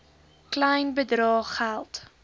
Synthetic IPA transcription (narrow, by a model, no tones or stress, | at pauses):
klɛjnbədrɑːχælˠt